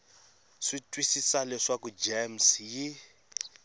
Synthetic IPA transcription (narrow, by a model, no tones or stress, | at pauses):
ʂitʼwisisalɛʂakud͡ʒɛmsji